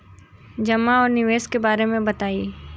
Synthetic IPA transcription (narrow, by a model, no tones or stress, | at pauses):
d͡ʒɐmaɔːɾnɪʋeːskebaːɾemẽbɐt̪aːi